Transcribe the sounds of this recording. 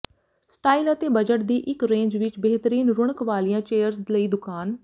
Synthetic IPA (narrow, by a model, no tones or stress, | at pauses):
sʈaːiːlət̪eːbəd͡ʒəʈ̚d̪iːʔɪkɾẽːɲd͡ʒʋɪt͡ʃbəɦt̪əɾiːnɾʊɽ̃əkʋaːlijãːt͡ʃeːjəɾsləiːd̪ʊkaːn